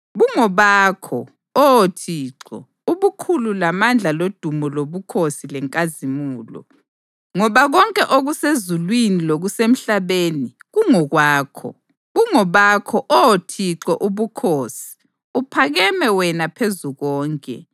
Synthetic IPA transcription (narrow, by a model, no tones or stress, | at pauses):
βuŋɔβaːkʰɔ | ɔotʰiːǁɔ̰ | uβukʰululamand͡ɮʱalod̥ʱumɔloβukʰosilɛŋkʼazimuːlɔ̰ | ŋɔβaɣɔŋkʼɛʔoɣusezulwiniloɣusem̩ɬaβeːniɣuŋɔɣwaːkʰɔ̰ | ɣuŋɔβakʰɔʔɔotʰiǁɔʔuβukʰoːsi̥ | upʰaɣɛmɛwɛnapʰezuɣɔːŋkʼɛ̰